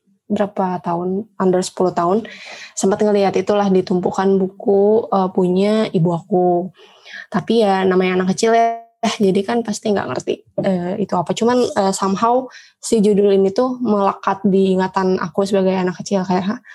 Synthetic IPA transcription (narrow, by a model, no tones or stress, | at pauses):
bəɾapat̪aʊnandərsə̥puluht̪aʊnsəmpat̪̚ŋəliat̪it̪ulahdit̪umpukanbukuəpuɲaibuaku | t̪apijanamaɲaːnakːət͡ʃiljahd͡ʒadikanpast̪iŋɡa̰ʔŋə̰rt̪ḭəːit̪uapat͡ʃumanəsamɦaw | sid͡ʒudʊlinit̪uməlakat̪̚diːŋat̪anʔa̰kusəbaɡajanakːət͡ʃɪlkajarɦa